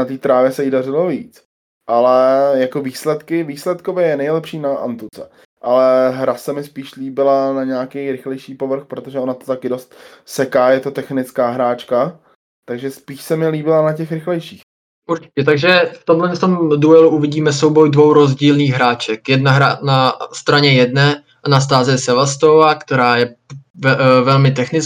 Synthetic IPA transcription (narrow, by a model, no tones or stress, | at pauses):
nat̪iːt̪ɾaːvjɛsɛɪdarɪloviːt͡s | ʔalɛjako̞viːslɛt̪kɪviːslɛt̪kovɛjɛnɛjlɛpʃiːnaʔa̰nt̪ut͡sɛ | ʔalɛɦɾasɛmɪspiːʃliːbɪlanaɲɛakɛjɾɪxlɛjʃiːpo̞vr̩xpɾot̪oʒɛo̞nat̪ot̪akɪdo̞st̪sɛkaːjɛt̪o̞t̪ɛxnɪt͡skaːɦɾaːt͡ʃka | t̪aɡʒɛspiːʃsɛmɪliːbɪlanacɛxɾɪxlɛjʃiːx | ʔuɾt͡ʃɪ̥cɛt̪aɡʒɛft̪omlɛft̪o̞mduɛluʔuvɪɟiːmɛso̞wbo̞jdvo̞wɾo̞zɟiːlniːxɦɾaːt͡ʃɛkjɛdnaɦɾanast̪ɾaɲɛjɛdnɛː | anas̬t̪aːzɛsɛvast̪ovakt̪ɛɾaːjɛvɛvɛlmɪt̪̬ɛxnɪt͡s